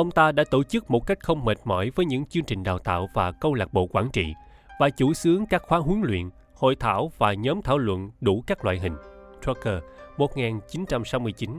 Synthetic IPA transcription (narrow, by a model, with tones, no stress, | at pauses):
ʔə˧wŋ͡mt̪aː˧ɗa̰ː˧˥t̪o˧˩t͡ɕɨ˦˥k̚mo˨˩t̚ka˦˥jk̟̚xə˧wŋ͡mme˨˩t̚mɔ˧˩jvəː˨˦jɲɨ̰˧˥ŋt͡ɕɨ˧əŋt͡ɕï˨˩ŋ̟ɗaː˨˩wt̪a̰ː˧˨wvaː˨˩kə˧wŋ͡mlaː˨˩k̚ɓo̰˧˨kwaː˧˩nt͡ɕḭ˧˨ | vaː˨˩t͡ɕu˧˩sɨ˨˦əŋkaː˦˥k̚xwaː˨˦ɦu˨˦əŋlwḭ˧˨ən | ho̰˧˨jt̪ʰaː˧˩wvaː˨˩ɲɔ˨˦mt̪ʰaː˧˩wlwə̰˧˨nɗu˧˩kaː˦˥k̚laː˧˨jɦï˨˩ŋ̟tɹo˧kəː˧mo˨˩t̚ŋaː˨˩nt͡ɕi˨˦nt͡ɕa˧msa˨˦wmɨ˧əjt͡ɕi˨˦n